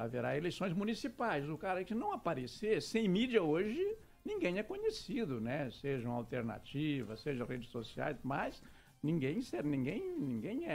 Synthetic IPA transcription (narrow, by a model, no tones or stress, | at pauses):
aveɾaelejsõj̃zmũnisipajzʊkaɾɐɛkɪnɐ̃w̃apaɾesesẽj̃mid͡ʒiɐoʒɪ | nĩŋɡẽj̃ɛkõɲesid̪ʊnɛseʒɐũa̰wt̪eɾna̰t͡ʃivɐseʒɐʁed͡ʒɪsosia̰jsmɐs | nĩɡẽj̃sɛɾnĩɡẽj̃nĩɡẽj̃ɛ